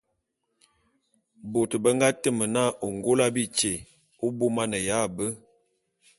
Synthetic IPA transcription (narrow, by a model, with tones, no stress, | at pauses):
bo˨tbə˦ŋɡa˦tə˦mə˨na˦ʔo˨ŋɡo˦la˦bi˦t͡ʃe˨ | o˦bo˦ma˦nə˨ja˦˨bə˦